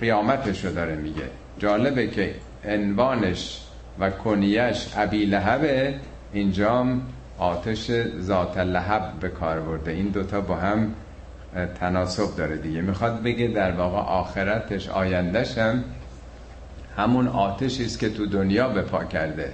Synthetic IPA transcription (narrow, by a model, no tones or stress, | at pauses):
ɢijɒːmæt̪ʰeʃɾod̪ɒːɾemiɟḛ | d͡ʒɒːle̞becʰe | envɒːne̞ʃ | vækʰonijæʃʔæbiːlæɦæbe | ind͡ʒɒːm | ʔɒːt̪ʰeʃezɒːt̪ʰelæɦæbbe̞kʰɒːɾbo̞ɾd̪eiːnd̪ot̪ʰɒːbɒːɦæm | t̪ʰænɒːsob̚d̪ɒːɾed̪iɟemixɒːd̪̚be̞ɡed̪æɾvɒːɣḛʔɒːxe̞ɾæt̪ʰe̞ʃɒ̰ːjænd̪æʃæm | hæmunɒːt̪ʰeʃiːst̪kʲe̞t̪ʰud̪onjɒːbe̞pʰɒ̰ːcʰæɾd̪e